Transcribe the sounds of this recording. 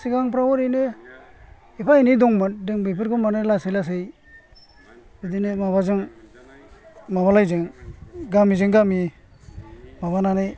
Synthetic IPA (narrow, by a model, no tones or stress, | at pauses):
siɡaŋpɾawɔɾɯjne | ipʰainidɔŋmandɯŋbɯjpʰɯɾkɔmanɯlasejlas̬ɯj | bɯdinemaβazɯŋ | maβalajzɯŋɡamizɯŋɡami | mabananɯj